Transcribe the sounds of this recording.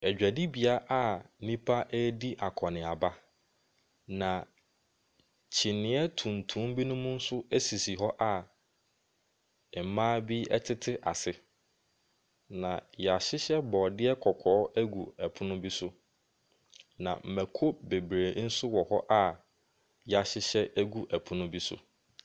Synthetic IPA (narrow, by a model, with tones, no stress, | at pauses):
ɛ˨d͡ʑᶣæ˨di˦bi˨a˦ʔa˦˨˦nĩ˦pʰa˦ʔɛ˦di˦ʔa˨kʰɔ˨nɪ̃˨a˨ba˦ | nã˨ | t͡ɕʰi˨nɪ̃˦ɛ˦tʰũ˨n˨tʰũ˨˦m˦bi˦nʊ̃˦mũ˦n̩˦sʊ˦æ˦si˨si˨ɦɔ˦ʔa˦˨ | ɛ˨mãː˦bi˦ɛ̰˦tʰɪ˦tʰɪ˦ʔa˨sɪ˦ | nã˨jɛ˨a˨ɕɪ˦ɕɛ˦bɔː˨dɪ˦ɛ˦kʰɔ˨kʰɔː˨˦æ˦ɡu˨æ˨pʰʊ˦nʊ̃˦bi˦sʊ˦ | nã̰˨m̩˨mæ˨kʰo˦be˨bɾeː˨n̩˦sʊ˦wɔ˨hɔ˦ʔa˦ | jɛ˨a˨ɕɪ˦ɕɛ˦ʔæ˦ɡu˦ʔæ˨pʰʊ̃˦nʊ̃˦bi˦sʊ̰˨